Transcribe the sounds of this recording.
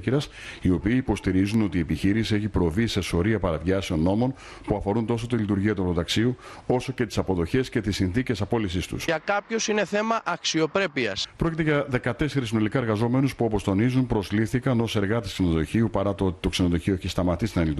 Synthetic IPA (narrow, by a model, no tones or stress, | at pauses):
ciɾɐs | io̞piːpo̞st̪iɾizuno̞t̪ie̞piçiɾissie̞çipɾo̞vise̞so̞ɾiɐpɐɾɐvʝɐseo̞nːo̞mo̞n | puɐfo̞ɾunt̪o̞so̞t̪ilit̪uɾʝiɐt̪uɐpot̪ɐksiuo̞so̞ce̞t̪i̥sɐpo̞ðo̞çe̞sce̞t̪isinθice̞sɐpo̞lisist̪ṵsɐkɐpço̞sine̞θe̞mɐʔɐksio̞pɾe̞piɐspɾo̞cit̪e̞ʝɐðe̞kɐt̪e̞se̞ɾisinolikɐe̞ɾɣɐzo̞me̞nuspuo̞po̞st̪o̞nizumpɾo̞zliθikɐno̞se̞ɾɣɐt̪esksenoðo̞çiupɐɾɐt̪oot̪i̥t̪o̞ksenoðo̞çio̞eçist̪ɐmɐt̪ist̪inɐlit̪